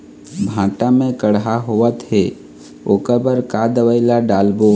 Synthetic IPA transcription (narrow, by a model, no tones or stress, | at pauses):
bʱãːʈamẽkəɽɦaɦoət̪ɦe | oːkəbəɾkad̪əʋəɪlaɖaːlbo